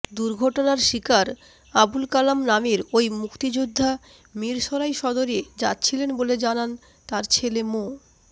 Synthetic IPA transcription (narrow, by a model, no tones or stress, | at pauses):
d̪uɾɡʱɔʈonaɾʃikaɾ | abulkalamnamiɾojmukt̪id͡ʑud̪ʱːa | miɾʃɔɾajʃɔd̪oɾied͡ʑa̰tːɕʰilenboled͡ʑanan | t̪aɾt͡ɕʰelemo